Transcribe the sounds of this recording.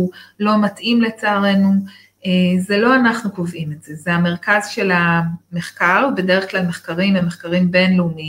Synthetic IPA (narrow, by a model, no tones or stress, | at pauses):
lo̞matʔimle̞t͡saaʁe̞nu | ezelo̞anaχnukovʔimetz̥e̞zeame̞ʁkazʃe̞lame̞χkaʁbe̞deʁeχklalme̞χkaʁimemeχkaʁimbe̞nleumi